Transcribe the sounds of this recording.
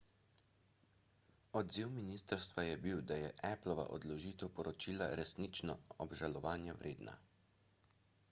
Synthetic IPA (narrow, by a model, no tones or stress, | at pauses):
ɔd̪ziwminiːst̪əɾst̪ʋajɛbiwd̪ajɛʔɛplɔʋa̰ʔɔ̰d̪lɔʒiːt̪ɛwpɔɾɔt͡ʃiːla̰ɾɛsnit͡ʃnɔ̰ɔbʒalɔʋaːnjɛwɾʔeːd̪na̰